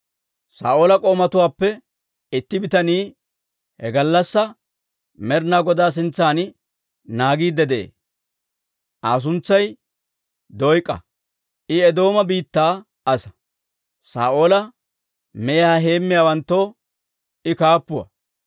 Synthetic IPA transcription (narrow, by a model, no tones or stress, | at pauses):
sa̰ːʔoːlɐkʼo̞ːmɐt̪ʊwaːpːɛ | ɪt̪ːɪbɪt̪ɐniː | hɛɡɐlːɐsːɐ | mɛɾnaːɡɔd̪aːs̬ɪnt͡sːaːn | naːɡiːd̪ːɛd̪ɛḛː | ʔaːs̬ʊnt͡sːɐj | d̪ɔjkʼːɐ̰ | ʔɪɛd̪o̞ːmɐbiːt̪ːaː | ɐsɐ̥ | sa̰ːʔoːlɐ | mɛjhɐɦe̞ːmːɪjaːwɐnt̪ːo̞ː | ɪkaːpːʊwɐ̰